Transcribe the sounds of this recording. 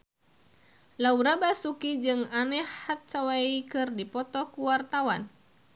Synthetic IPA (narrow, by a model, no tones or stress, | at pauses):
lauɾabasukid͡ʒɨŋanɛhːat̪̚t͡ʃawaikɨrdipɔt̪ɔkuwart̪awan